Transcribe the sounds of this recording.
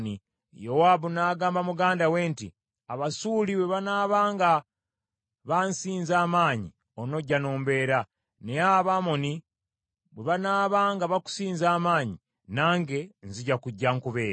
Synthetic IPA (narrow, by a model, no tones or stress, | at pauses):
ni | jowaβunaːɡaːmbamuɡaːndaweːntḭ | aβasuːliβweβanaːβaːŋɡa | βansiːnzaːmaːɲḭ | ono̞ɟːano̞ːmbe̞ːɾa | neaβamo̞ni | βwe̞βanaːβaːŋɡaβaku̥siːnzaːmaːɲi | naːŋɡe̞nziɟakuɟːaŋkuβe̞ːɾ